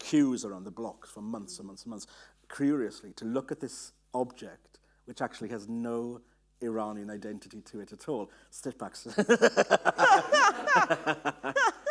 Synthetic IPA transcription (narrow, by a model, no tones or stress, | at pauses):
kʰj̥ʉːzəɹãʊ̃nðəblɒksfɹə̃mmːʌ̃nθsə̃n̩mʌ̃nθsə̃nmʌ̃ns | kʰj̥ɔːɹiəslitʰəlʊkət̪̚ðɪs | ɒb̚d͡ʒɛk̚t | wɪt͡ʃak̚t͡ʃʉlˠiəznoʊ | ɪɹɑːnə̃naɪdɛ̃ntɪtitʰəɪtətʰɔːlˠ | stɪfb̥aks